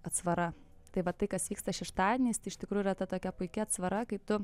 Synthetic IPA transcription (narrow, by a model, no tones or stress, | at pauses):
ɐt̪sʋɐɾɐ | t̪ɐɪʋɐt̪ɐɪkɐsʋʲiːkst̪ɐʃʲɛʃt̪ɑːd̪ʲɪnʲeːst̪ɐɪʃt̪ʲɪkɾuːjʊiɾɐt̪ɐt̪oːkʲɛpʊɪkʲɪɐt̪sʋɐɾɐkɐɪt̪ʊ